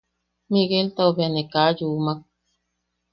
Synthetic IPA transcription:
miɣelt̪aobjanekajuːmak̚

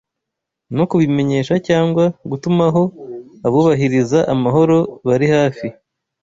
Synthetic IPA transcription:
nokuβime̞ɲe̞ːʃacaːŋɡwaɡutumaɦo̞aβuːβaɦiɾizaʔamaɦo̞ɾo̞βaɾihaːfi

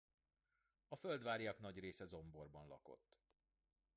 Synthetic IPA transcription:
ɒføld̪ʋaːɾijɒkn̪ɒɟreːsɛzo̞mbo̞rbɒnlɒ̰ko̞̰t̪ː

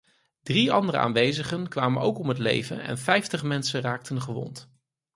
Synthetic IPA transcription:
d̥riɑndərəa̰ːnʋejzəχənkʋaːmənowkɔmɦətlḛjvənɛ̰nfɛjftəχmɛnsəraːk̚tʰənχəʋɔ̰nt

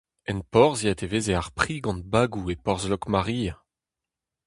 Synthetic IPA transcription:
ɛ̃npɔʁziat̪evezeaʁpχiɡɑ̃nt̪̚baɡuepɔʁzlɔkmaʁia

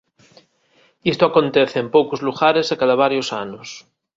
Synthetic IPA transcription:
ist̪oakont̪eθeːmpowkozluɣaɾeszakaðaβ̞aɾjosanos

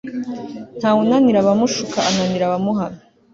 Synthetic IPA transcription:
n̥haːwunaniɾaβamuʃukaːnaniɾaβamuɦana

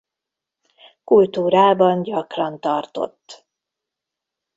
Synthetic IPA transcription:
kult̪uːɾaːbɒnɟɒkrɒnt̪ɒrt̪o̞̰t̪ː

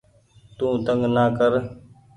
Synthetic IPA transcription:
t̪ũːt̪əŋɡnaːkəɾ

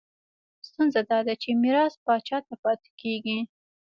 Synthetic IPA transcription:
st̪unzad̪ɑd̪at͡ʃemɪɾɑspɑt͡ʃɑt̪apɑt̪ɪ̥keɡi

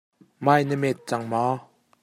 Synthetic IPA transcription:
maːjnəmɛt̪̚t͡saŋma

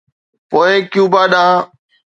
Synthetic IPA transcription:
poːeːkɪjũːbaːɗãː

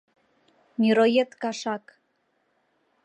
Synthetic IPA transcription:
nʲiɾojet̪kɑʃɑk

